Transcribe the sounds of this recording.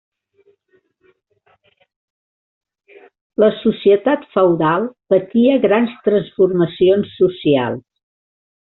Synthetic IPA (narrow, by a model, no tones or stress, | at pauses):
ləsusiət̪at̪fəwðalˠpət̪iəɣɾanst̪ɾənsfurməsionsːusia̰lˠs